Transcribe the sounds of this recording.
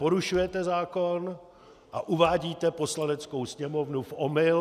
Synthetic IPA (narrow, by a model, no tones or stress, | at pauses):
po̞ɾuʃujɛt̪ɛzaːkon | ʔaʔuvaːɟiːt̪ɛpo̞slanɛt͡sko̞wsɲɛmo̞vnufʔomɪl